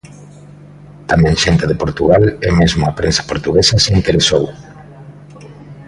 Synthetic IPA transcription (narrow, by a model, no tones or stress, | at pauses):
t̪amɛ̃ŋʃent̪eðepoɾt̪uɣ̞alɛmezmoapɾensḁpoɾt̪uɣesaseint̪eɾesow